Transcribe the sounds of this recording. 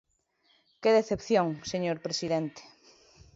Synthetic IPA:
keðeθepθjoŋseɲoɾpɾesiðent̪e̥

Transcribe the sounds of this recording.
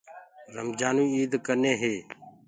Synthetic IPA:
ɾəmd͡ʒaːnũːiːd̪kəneːɦeː

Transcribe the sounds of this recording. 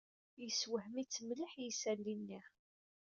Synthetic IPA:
jəswəhmit͡sːəmləħjəsælːinːiʁ

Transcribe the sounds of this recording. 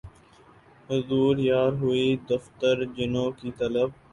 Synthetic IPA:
ɦʊzuːɾjaːɾɦʊid̪əft̪əɾd͡ʒɪnõːkit̪ɐləb

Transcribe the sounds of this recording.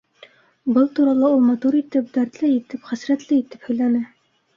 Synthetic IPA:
bɤlˠt̪uɾɑlˠɑulˠmɑt̪uɾit̪ɘp̚d̪æɾt̪lɘit̪ɘpχæsɾæt̪lɘit̪ɘ̥phɵ̆jlænɘ

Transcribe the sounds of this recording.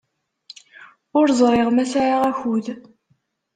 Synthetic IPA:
ʊɾzˤɾˤeʁmæsaɾaʁæçuð

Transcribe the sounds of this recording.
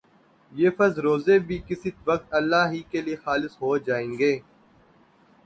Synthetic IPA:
jeːfɐɾzɾoːzeːbʱiːkɪsit̪ʋɐk̚t̪ɐlːaːɦiːkeliexaːlɪsɦoːd͡ʒaːẽːŋɡeː

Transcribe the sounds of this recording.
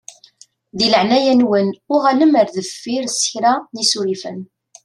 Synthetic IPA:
ðiləʕnæjænwənʊʁæləməɾðəfːiɾsə̥çɾænisuɾifən

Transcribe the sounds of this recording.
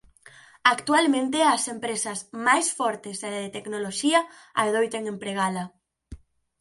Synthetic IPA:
akt̪ualmẽnt̪̬easempɾesazmajsfɔɾt̪ezðalaðet̪eknoloʃia | a̰ðojt̪eŋempɾeɣ̞ala

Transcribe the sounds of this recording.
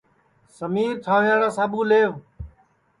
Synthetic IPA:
səmiːɾt̪ʰaːʋjãːɽãːsaːɓũːleːʋ

